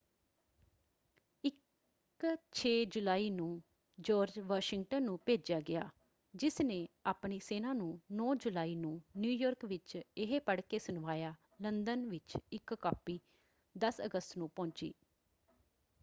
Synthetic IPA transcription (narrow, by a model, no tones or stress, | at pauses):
ɪk | t͡ʃʰeːd͡ʒʊlaːiːnũː | d͡ʒɔːɾd͡ʒʋaːʃɪŋɡʈənːũːpeːd͡ʒaːɡɪaː | d͡ʒɪsnẽːaːpɳiːseːnãːnũːnɔ̃ːd͡ʒʊlaːiːnũːnjuːjɔːɾkʋɪt͡ʃɪɦeːpəɽkeːsʊnʋaːjaː | lənd̪ənʋɪt͡ʃɪkkaːpiː | d̪əsə̰ɡəst̪nũːpɔ̃ːɲt͡ʃḭː